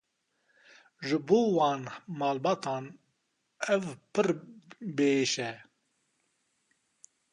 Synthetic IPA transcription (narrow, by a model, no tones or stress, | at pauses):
ʒɨboːwɑːnmɑːlbɑt̪ʰɑːn | ɛvpʰɨɾbeʃɛ